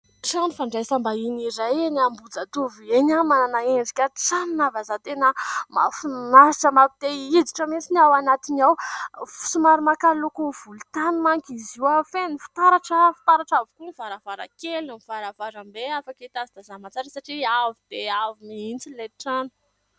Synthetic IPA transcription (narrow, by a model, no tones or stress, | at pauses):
ʈ͡ʂanufaɳɖ͡ʐajsambainiɾajenambud͡zat̪uvenamananaeɳɖ͡ʐikʲəʈ͡ʂaninavazat̪enəma̰funaɾiʈ͡ʂəmaki̥t̪eid͡ziʈ͡ʂəmit͡sinawanat̪inawfu̥sumaɾimakalukuv̥ulut̪animaŋkʲiziwafenifi̥t̪aɾaʈ͡ʂəfi̥t̪aɾaʈ͡ʂavukuniv̥aɾavaɾa̰kelnamiv̥aɾavaɾambeafaket̪azid̪̥azamat͡saɾisaʈ͡ʂiavid̪̥eaviniint͡sileʈ͡ʂanu̥